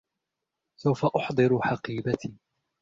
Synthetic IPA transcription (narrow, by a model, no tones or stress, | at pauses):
sawfaʔʊħd̪ˤɨɾħɑqiːbat̪ʰiː